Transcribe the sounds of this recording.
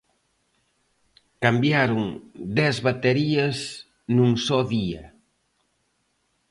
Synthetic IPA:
kambjaɾoŋd̪ɛzβat̪eɾiaɐz | nuŋsɔðiɐ

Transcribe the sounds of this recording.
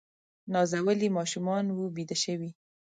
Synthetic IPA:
nɑzawəlimɑʃumɑnwubid̪aʃəwi

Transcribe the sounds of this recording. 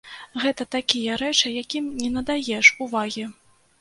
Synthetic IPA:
ɣɛt̪ɐt̪akʲijɐɾɛt͡ʂɨjakʲimnʲɛnɐd̪ajɛʂuvaɣʲi

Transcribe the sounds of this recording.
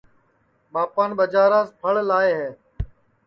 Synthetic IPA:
ɓaːpaːnɓəd͡ʒaːɾaːspʰəɭlaːeːɦeː

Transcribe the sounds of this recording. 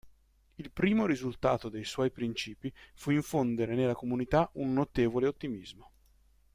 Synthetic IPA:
ilpɾiːmoɾizult̪a̰ːt̪od̪ejswɔjpɾint͡ʃiːpifuiɱfond̪eɾenelːakomunit̪aʔunːot̪eːvoleot̪ːimizmo

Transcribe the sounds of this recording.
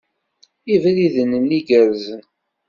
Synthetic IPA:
ivɾiðənənːiɡəɾzən

